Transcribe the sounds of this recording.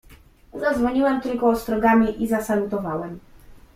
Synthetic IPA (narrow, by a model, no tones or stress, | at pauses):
uzazvɔɲiwɛmt̪ɘlkɔːst̪ɾɔɡamʲiʔizasalut̪ɔvawɛm